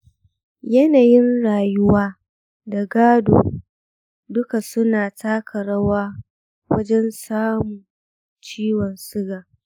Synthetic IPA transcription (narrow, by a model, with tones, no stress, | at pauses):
jɐ˦naː˨jɪ˦nɽaː˨jʊ˦waː˦ | da˨ɡaː˦do̰ː˨ | dʊ˦ka˨sʊ˦naː˨tʰaː˦kʰɐ˨ɾɐ˦waː˦ | wɐ̰˦d͡ʒɛ˦nsaː˦mu˨ | t͡ʃiː˦wɔ˨nsʊ˦ɡaː˨